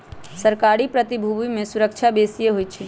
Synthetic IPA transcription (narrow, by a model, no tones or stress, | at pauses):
səɾkaɾipɾət̪ibʱubimẽsuɾəkt͡ʃʰabesijeɦojt͡ʃʰi